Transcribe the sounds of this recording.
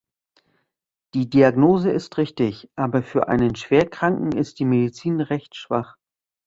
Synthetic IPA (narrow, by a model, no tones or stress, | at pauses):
d̥iːdiaɡnoːzəɪstʁɪçtɪçʔaːbɐfyːɐʔa̰ɪnənʃv̥eːɐkʁ̥aŋkŋ̩ɪst̚d̥iːmedit͡siːnʁɛçtʃv̥a̰χ